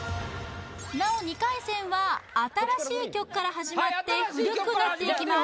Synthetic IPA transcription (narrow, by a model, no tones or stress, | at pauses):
nao̞ɲ̟ikaisẽ̞ɰ̃βaːt̪aɾaɕiːkʲo̞kɯ̟̥kːaɾaɦaʑimmat̪ːe̞ɯ̟ɾʲokɯ̟nat̪ːe̞ikʲima